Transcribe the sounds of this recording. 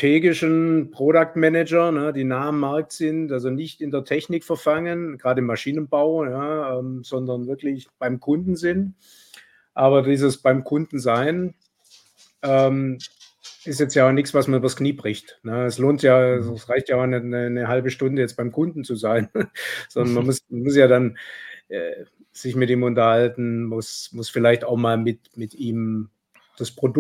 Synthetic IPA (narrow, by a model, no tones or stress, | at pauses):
tʰeːɡɪʃn̩pʁ̥oɾak̚tmɛnɛd͡ʒɐnəd̥iːnaːəmaɐk̚tz̥ɪntʔalzonɪçtɪndeːɐtʰɛçnɪkfɐfaŋənɡ̥ʁaːdəɪmːaʃiːnənbaʊjaʔɛːmz̥ɔndɐnvɪɐklɪçb̥aɪmkʰʊndn̩zɪn | ʔaːβɐdiːzəsb̥aɪmkʰʊndn̩zaɪn | ʔɛːm | ʔɪstjɛt͡stjaːʊnɪçsv̥asmanyːbɐskniːbʁɪçtnəɛsloːntjaːzɛsʁaɪçtjaːaʊxnɛnənəɦalbəʃtʊndəjɛt͡sb̥aɪmkʰʊndn̩t͡suzaɪnz̥ɔndɐnmamʊsmanmʊsjaːdanʔɛː | z̥ɪçmɪtiːmʊntɐhaltn̩mʊsmʊsfɪlaɪçtaʊxmaːlmɪt | mɪtʔiːm | d̥aspʁ̥odʊ